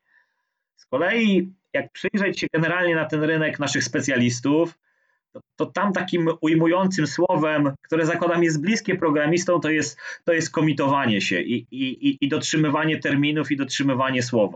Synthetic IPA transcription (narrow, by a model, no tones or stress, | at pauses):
skɔlɛji | jak̚pʂɘjʐɛt͡ɕɕɛɡɛnɛɾalɲɛnat̪ɛnɾɘnɛknaʂɘxspɛt̪sʲjalʲist̪uf | t̪ɔt̪ɔt̪amt̪akʲimujmujɔnt̪sɘmswɔvɛmkt̪uɾɛzakwad̪amʲjɛzt̪̚blʲiskʲɛpɾɔɡɾamʲist̪ɔ̃w̃t̪ɔjɛst̪ːɔjɛst̪̚kɔmʲit̪ɔvaɲɛɕɛ̰ʔiiiːd̪ɔtʂɘmɘvaɲɛt̪ɛɾmʲinufid̪ɔtʂɘmɘvaɲɛswɔva̰